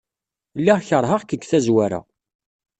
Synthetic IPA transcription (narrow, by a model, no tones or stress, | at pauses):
lːiʁçəɾˤɦəʁkəɡθæzwæɾæ̰